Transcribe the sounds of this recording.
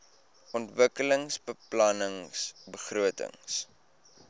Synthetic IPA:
ʔɔntvəkələŋsbəplɐnəŋsbəχruətə̰ŋs

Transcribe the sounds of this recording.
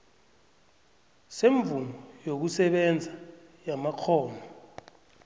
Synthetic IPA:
seɱvunɔjok̬usɛɓɛnd͡zʱajamakʰɔːnɔ

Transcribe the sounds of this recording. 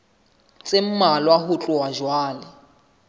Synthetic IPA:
t͡sʼem̩malwaɦʊt͡ɬʼʊwaʒwaːlɪ

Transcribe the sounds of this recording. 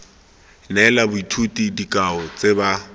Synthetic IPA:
nɛlabʊitʰutʼidikʼaɔt͡sʼeba

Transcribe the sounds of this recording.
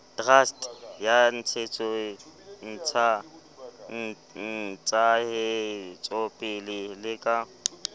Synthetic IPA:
trastʰʼjan̩t͡sʰet͡sʼɔn̩t͡sʰa | n̩ | n̩t͡sʼahɪt͡sʼopʼɪlɪlɪkʼa

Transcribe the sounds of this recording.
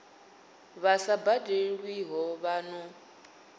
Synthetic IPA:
βasabadeɺwiɦɔβanɔ

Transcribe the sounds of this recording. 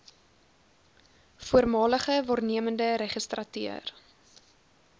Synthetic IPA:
fuərmɑːləχəvɑːrniəməndəɾɛχəstrɐty̰ər

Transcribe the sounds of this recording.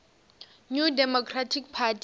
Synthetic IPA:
ɲudɛmɔkʰratʰikpʰatʰ

